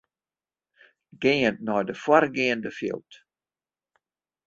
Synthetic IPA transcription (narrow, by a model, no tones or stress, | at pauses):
ɡeːəntnɔjdəfwarɡeəndəfjɪ̰lˠt